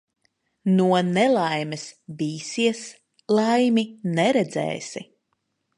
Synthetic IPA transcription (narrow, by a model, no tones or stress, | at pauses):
nuɔnɛlˠajmɛsbiːsiɛs | lˠajminɛɾɛd̪zɛ̰ːsḭ